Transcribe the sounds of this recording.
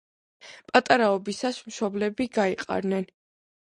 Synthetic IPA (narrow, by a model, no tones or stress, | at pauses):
pʼat̪ʼaɾaɔbisasmʃɔblɛbiɡaiqʼa̰ɾnɛn